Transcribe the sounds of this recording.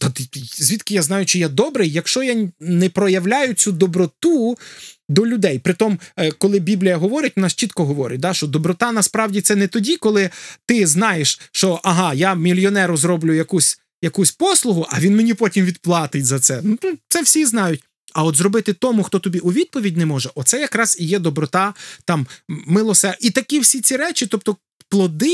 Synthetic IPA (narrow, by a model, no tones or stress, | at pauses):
t̪ɐt̪zʲʋʲit̪kɪjaznɑjʊt͡ʃɔjad̪ɔbɾɪjjːɐkʃt͡ʃɔjanɛpɾɔjɐwlʲajʊt͡sʲud̪ɔbɾɔt̪u | d̪ɔlʲʊd̪ɛjpɾɪt̪ɔmkɔlˠɪbʲiblʲijɐɦɔʋɔɾʲɪt̚ʲɔnɑʃt͡ʃit̪kɔɦɔʋɔɾʲɪ̰t̚ʲd̪ɑʃt͡ʃɔd̪ɔbɾɔt̪ɑnɐspɾɑwdʲit̪sɛnɛt̪ɔdʲikɔlˠɪt̪ɪznɑjeʃʃt͡ʃɔʔɐɦɑjamʲilʲjɔnɛɾʊzɾɔblʲʊjɐkusʲ | jɐkusʲpɔslˠʊɦʊʔɐʋʲinmenʲipɔtʲimʋʲid̪̚plˠɑt̪ɪtʲzɐt̪sɛnut̪t̪sɛwsʲiznɑjʊtʲ | ɐɔt̪zɾɔbɪt̪ɪt̪ɔmʊxt̪ɔt̪ɔbʲiʔʊʋʲid̪̚pɔʋʲidʲnɛmɔʒɛʔɔt̪sɛjɐkɾɑzijɛd̪ɔbɾɔt̪ɑt̪ɑmːɪlˠɔsɛit̪ɐkʲiwsʲit͡sʲiɾɛt͡ʃʲɪt̪ɔp̚t̪ɔ | plˠɔd̪ɪ